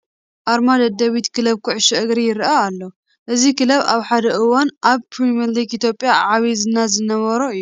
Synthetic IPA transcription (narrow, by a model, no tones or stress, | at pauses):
ʔaɾmad̪ɐd̪ɐwit̪kʰɨlɐβkʰuʕʃɛʔɨɡɾijɪɾʔaːlːo | ʔɨzikʰɨlɐβa̰βħad̪ɐʔɨwanʔaβpʰɾimɐɾliɡit̪ʰjo̞pʼjaʕaβizɨnːazɨnɐβɐɾoɨjːu